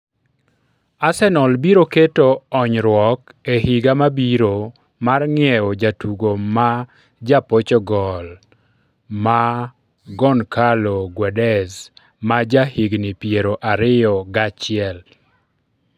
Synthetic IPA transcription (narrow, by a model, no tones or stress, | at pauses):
asɛnɔlbiɾoketoɔɲɾwɔkehiɡamabiɾo | marŋɪɛod͡ʒatuɡoma | d͡ʒapot͡ʃɔɡɔl | ma | ɡɔnkaloɡwɛdɛs | mad͡ʒahiɡnipjeɾoʔaɾɪjɔɡat͡ʃɪɛl